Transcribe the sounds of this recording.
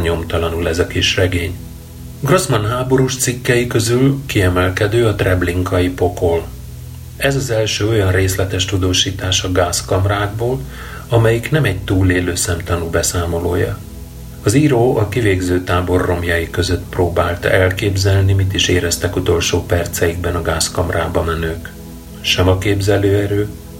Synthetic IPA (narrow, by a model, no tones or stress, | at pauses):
ɲo̞mt̪ɒlɒnulɛzɒkiʃrɛɡeːɲ | ɡro̞zmɒnɦaːbo̞ɾuʃt̪sikːɛjikø̞zylkiɛmɛlkɛd̪øːɒt̪rɛbliŋkɒjipo̞kol | ɛzɒzɛlʃøːo̞jɒnreːslɛt̪ɛʃt̪ud̪oːʃiːt̪aːʃɒɡaːskɒmraːɡ̚boːl | ɒmɛjiknɛmɛɟ̚t̪uːleːløːsɛmt̪ɒnuːbɛsaːmo̞loːjɒ̰ | ɒziɾoːʔɒkiveːɡzøːt̪aːbo̞rːo̞mjɒjikø̞zø̞t̪proːbaːlt̪ɛlkeːbzɛlnimit̪iʃeːɾɛst̪ɛkut̪o̞lʃoːpɛrt̪sɛjiɡ̚bɛnɒɡaːskɒmraːbɒmɛnøːk | ʃɛmɒkeːbzɛløːɛɾøː